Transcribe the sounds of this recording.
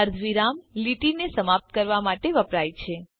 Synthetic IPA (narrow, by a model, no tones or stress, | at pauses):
əɾd̪ʱʋiɾamliʈinesəmap̚t̪̚kəɾʋamaʈeʋəpɾajt͡ʃʰe